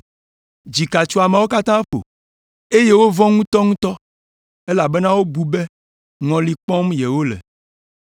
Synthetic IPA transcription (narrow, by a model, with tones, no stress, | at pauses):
d͡ʑi˨ka˨t͡ʃu˦a˨mẽ˨wo˦ka˦t̪ã˦ɸo̰˨ | e˦je˦wo˦vɔ̃˦ŋũ˦t̪ɔ˦ŋũ˦t̪ɔ˦ | e˦la˨bɛ˦nã˦wo˦bu˨be˦ | ŋɔ̃˨li˨k͡pɔ̃˦mje˨wo˦lɛ̰˨